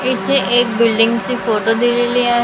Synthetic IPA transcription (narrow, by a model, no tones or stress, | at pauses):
ɪt̪ʰeʔeːk̚bɪlɖɪ̃ŋɡsifoːʈod̪ileliaːɦ